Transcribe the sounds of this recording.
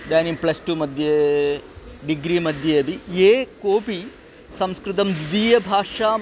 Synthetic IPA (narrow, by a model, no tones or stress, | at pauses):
d̪aːnimplɐsʈuːmɐd̪ʱje | ɖiɡɾiːmɐd̪ʱjɐɐbʱieːkoːpi | sɐmskɾɪt̪̬ɐmd̪id̪iːjɐbʱaːʂaː